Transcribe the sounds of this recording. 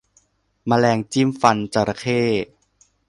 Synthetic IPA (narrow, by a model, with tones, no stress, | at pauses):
ma˧lɛː˧ŋt͡ɕiː˥˨mfa˧nt͡ɕa˧ɾa˧˩kʰeː˥˩